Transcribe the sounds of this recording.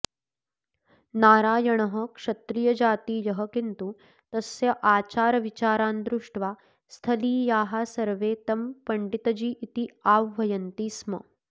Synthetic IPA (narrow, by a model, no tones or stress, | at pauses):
naːɾaːjɐɳ̃ɐɦɐkʂɐt̪ɾijɐd͡ʒaːt̪iːjɐɦɐkint̪u | t̪ɐsjɐʔaːt͡ʃaːɾɐʋit͡ʃaːɾaːnd̪ɾuʂʈʋaː | st̪ʰɐliːjaːɦasɐɾʋeːt̪ɐmpɐɳɖit̪ɐd͡ʒiːʔit̪iaːʋːɐjɐnt̪iːsmɐ̰